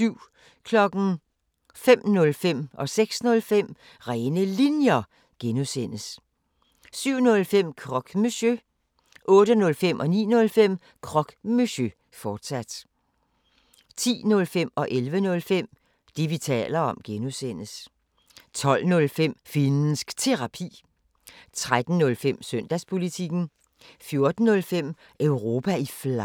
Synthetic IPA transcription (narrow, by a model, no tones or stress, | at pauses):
syʊ̰ | kʰlɒ̽ɡ̥n̩ | fem̰nɔ̽lfem̰ʔɒ̽seɡ̥snɔ̽lfem̰ | ʁɛːnəlinjɐ | ɡ̥enusen̰əs | syʊ̰nɔ̽lfem̰kʰʁɒ̽ɡ̥meɕø | ʔɔ̽ːɾ̥ənɔ̽lfem̰ʔɒ̽nḭːnɔ̽lfem̰ | kʰʁɒ̽ɡ̥meɕø | fɒːd̥sæd̥ | t͡sʰḭːnɔ̽lfem̰ɒ̽ʔelʋənɔ̽lfem̰ | d̥eʋit͡sʰɛ̰ːlɐɒ̽mɡ̥enusen̰əs | t͡sʰɒ̽l̰nɔ̽lfem̰fensɡ̥t͡sʰe̝ʁɑ̈pʰḭː | t͡sʰʁad̥n̩nɔ̽lfem̰sœn̰d̥æspʰo̝lit͡sʰiɡ̥n̩ | fjo̝ɐd̥n̩ːɔ̽lfem̰ | ʔœʊʁo̝ːpʰæifl